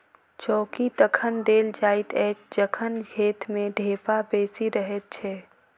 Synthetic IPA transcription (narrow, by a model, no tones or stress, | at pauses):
t͡ʃɔːkid̪əkʰənd̪eːld͡ʒaːɪt̪ɛːt͡ʃd͡ʒəkʰənɡʱeːt̪mẽɖʱeːpabeːsiɾəɦət̪̚t͡ʃʰɛː